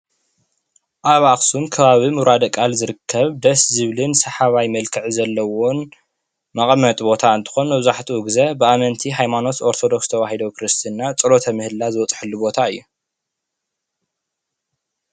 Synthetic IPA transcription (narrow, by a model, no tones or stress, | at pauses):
ʔaβaxsumkʰɐβaβimɨɾad̪ɐkʼalzɨɾɨkʰːɐβd̪ɐszɨβlɨnsɐħaβajmɐlkʰɨʕizɐlːɐwon | mɐχʼmɐt̪ʼbo̞t̪ʰaɨnt̪ʰɨ̥xo̞nɨbɨzaħt̪ʰiwʊɡzɐbɨamɐnt̪ʰiɦajmano̞t̪o̞ɾt̪ʰod̪o̞kst̪ʰɐwahid̪ɐwkʰɾɨst̪ʰinːat͡sʼɨlo̞t̪ʰɐmɨhɨlːazɨwɔt͡s̪ʼħɨlːubo̞t̪ʰaɨjːu